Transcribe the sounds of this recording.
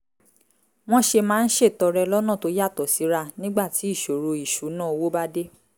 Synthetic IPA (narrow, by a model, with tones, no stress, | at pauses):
w̃ɔ̃˦ʃe˧mãː˦˧n̩˦ʃe˦˨tɔ˨˧ɾɛ˧lɔ˦nã˦˨to˧˦ja˦˨tɔ˨si˨˦ɾa˧nĩ˦ɡ͡ba˦˨ti˨˦i˦˨ʃo˨ɾo˧i˨ʃu˨˦nã˦˨wo˦ba˦de˦